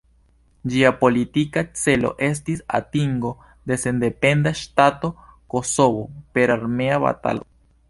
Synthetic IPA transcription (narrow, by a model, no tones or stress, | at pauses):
d͡ʒiapo̞lit̪ikat͡se̞lo̞̰ʔe̞s̬t̪isa̰t̪iŋɡo̞ | d̪e̞se̞nd̪e̞pe̞nd̪aʃtat̪o̞ko̞so̞βo̞pe̞ɾaɾme̞aβa̰t̪a̰lo